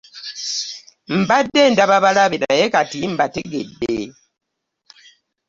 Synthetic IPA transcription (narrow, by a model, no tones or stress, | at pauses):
m̩badːendaβaβalaβenajekatim̩bateɡḛdːḛ